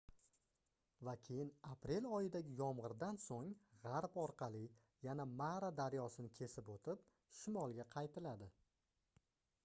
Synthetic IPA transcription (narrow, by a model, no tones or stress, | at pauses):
vakʲʰe̞jɪnapɾe̞lɒjɪd̪aɡʲɪjɒmʁɨɾd̪ansoŋʁɑɾpɒɾqʰɑlˠɪ | janamaɾad̪aɾjɒsɪnɪkʲʰe̞sɪpot̪ʰɪp̚ | ʃɪmɒlˠɡʲaqʰɑjt̪ʰɪlad̪ɪ